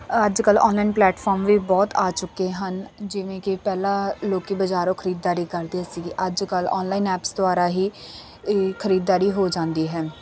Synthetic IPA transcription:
əd͡ʒkəlɔ̰ːnlaːɪnplɛːʈfʰɔːɾmʋiːbɔːt̪aːt͡ʃʊkːeɦənd͡ʒɪʋẽːkɪpɛːlaːloːkibəd͡ʒaːɾõːkʰəɾiːd̪ːaːɾiːkəɾd̪iɦɛːsiɡiʔəd͡ʒkəlɔ̰ːnlaːinɛːpsd̪ʊaːɾaːɦiː | kʰəɾiːd̪ːaːɾiːɦoːd͡ʒãːnd̪iːɦɛː

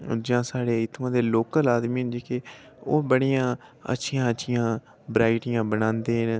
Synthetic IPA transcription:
d͡ʒãːsaːɽeːɪt̪ʰmãːd̪eːloːkəlaːd̪mĩːɦʊnd͡ʒeːke | oːbəɽijãːə̰tːʃʰɪjãːətːʃʰɪjãː | bɾaːɪʈɪjãːbənãːnd̪eːɦn

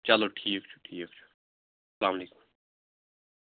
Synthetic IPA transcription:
t͡ʃɐloʈʰiːk̚t͡ʃʰu̥ʈʰiːk̚t͡ʃʰu̥ | slaːmleːku̥m

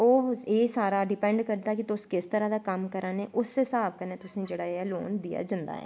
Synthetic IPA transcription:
oːeːsaːɾaːɖɪpɛ̃ɳɖkəɾd̪aːkit̪ʊskɪst̪əɾaːd̪aːkəmkəɾʔãːneʔʊsːɪsaːb̚kaneːt̪ʊsĩːd͡ʒeːɽaːeloːnd̪ija̰ːd͡ʒãːnd̪a̰ːɦɛ̰ː

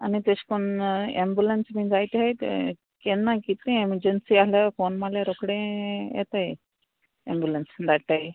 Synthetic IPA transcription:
anit̪eɕkonḛmbjulensmind͡zajt̪ejt̪ | kenːakit̪ĩeməɾd͡ʑənsialjafonmaljaɾokɽẽjḛt̪aj | ḛmbjulənsd̪aʈaj

